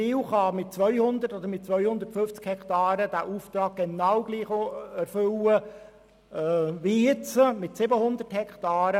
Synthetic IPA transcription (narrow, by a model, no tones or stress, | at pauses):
iːwχɑmɪt̚t͡sʋœʏhʊnd̪ərtɔd̪əɾmɪt̚t͡sʋœjhʊnd̪ətfʏft͡skhɛktɑːɾəd̪æːʔuːft̪ɾɑːɡ̚ɡ̥ɛnɑwɡ̥liːχoæɾfʏwə | ʋijɪt͡səmɪtsɪbəhʊnd̪əthɛkt̪ɑːɾə